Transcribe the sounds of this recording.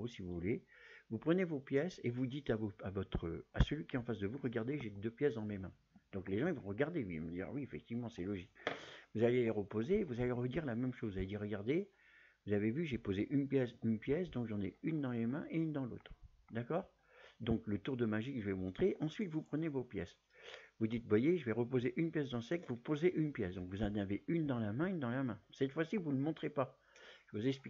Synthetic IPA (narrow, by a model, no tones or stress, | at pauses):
osivuvule | vupχənevopjɛsevud̪it̪avoavɔt̪χəa̰səlɥikʲiɛɑ̃fasd̪əvuʁəɡaʁd̪eʒed̪øpjɛsd̪ɑ̃memɛ̃ | d̪̥ɔ̃kleʒɑ̃ivɔ̃ʁəɡaʁd̪eim̰d̪ḭʁ̰wiefɛk̚t̪ivmɑ̃sɛlɔʒikvuzaleeʁəpozeːvuzaleʁəd̪iʁlamɛmʃozvuzaled̪iʁəɡaʁd̪e | vuzavevyʒepozeʔynpjɛsynpjɛsd̪ɔ̃kʒɑ̃nɛ̰ynd̪ɑ̃lemɛ̃ʔeynd̪ɑ̃lo̰t̪χ | d̪akɔːʁ | d̪ɔ̃klət̪uʁd̪əmaʒikəʒəvɛvumɔ̃t̪χeʔɑ̃sɥit̪vupχənevopjɛs | vud̪it̪̚vwajeʒəvɛʁəpozeʔynpjɛs̬d̪ɑ̃sɛkvupozeʔynpjɛsd̪ɔ̃kvuzɑ̃naveynd̪ɑ̃lamɛ̃ynd̪ɑ̃lamɛ̃sɛt̪fwasivuləmɔ̃t̪χepa | ʒəvuzɛks̬pi